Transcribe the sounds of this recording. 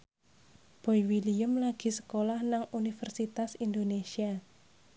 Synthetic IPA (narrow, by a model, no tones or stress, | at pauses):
b̥o̤iwiliəmlaɡ̥i̤sə̥kolahnaŋunifərsit̪asind̪onesia